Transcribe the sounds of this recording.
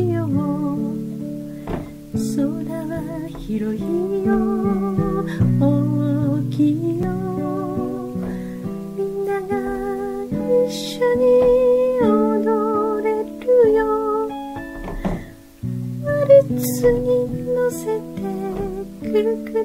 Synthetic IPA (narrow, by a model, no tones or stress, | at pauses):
jomo | soɾeβaçiɾoçijo | o | kʲijo | mʲinːaɡa | iɕːoɲ̟i | od̪oɾe̞ɾɯjo | aɾɯt͡st͡sɨɲ̟inose̞t̪ʰekʰɯɾɯkɯ